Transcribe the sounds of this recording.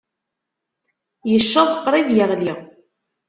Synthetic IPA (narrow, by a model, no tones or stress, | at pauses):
jəʃːɑðˤəqːɾˤivjəʁliʁ